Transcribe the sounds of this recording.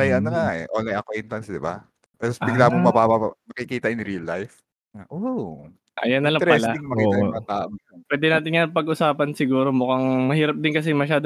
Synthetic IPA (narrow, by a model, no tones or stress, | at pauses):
ɐjʔɐnokaʔɛ̰ʔoːlɐjʔɐkowɛnt̪ɐnsd̪ɪba̰ | t̪ɐsbɪɡlaːmomɐbabamɐkikiːt̪ɐʔɪnɾiɐlːajf | ʔo | ʔɐ̰jɐnːɐlɐŋɾpɐlaɪŋmɐkiːʔ̪ɐoɐt̪aːʔomɐɐpwɛːd̪ɛnaːt̪ɪnɲɐpɐɡʔʊsaːpɐnsɪɡuːɾo̞mʊkaŋmɐhiːɾɐp̚d̪ɪnkɐs̬ɪmɐʃaːd̪o